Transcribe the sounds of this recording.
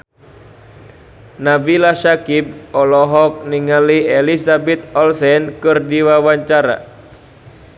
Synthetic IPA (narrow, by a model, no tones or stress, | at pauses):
nabilaʃakib̚ɔlɔɦɔk̚niŋalielisabɛt̪ɔlsɛnkɨrdiwawaɲt͡ʃaɾa̰